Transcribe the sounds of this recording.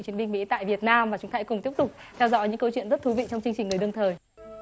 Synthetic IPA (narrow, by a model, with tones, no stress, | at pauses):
t͡ɕi˨˦ənɓi˧ŋ̟mḭ˧˥t̪a̰ː˧˨jvi˨˩ət̚naː˧mvaː˨˩t͡ɕʊ˨˦ŋ͡mt̪ʰaː˨˦jkʊ˨˩ŋ͡mt̪i˦˥əp̚t̪ʊ˨˩k͡p̚t̪ʰɛ˧wzɔ̰˧˥jɲɨ̰˧˥ŋkə˧wt͡ɕwḭ˧˨nzə˦˥t̚t̪ʰu˨˦vḭ˧˨t͡ɕɔ˧wŋ͡mt͡ɕɨ˧ŋt͡ɕi˨˩ŋ̟ŋ˨˩jɗɨ˧əŋt̪ʰəː˨˩j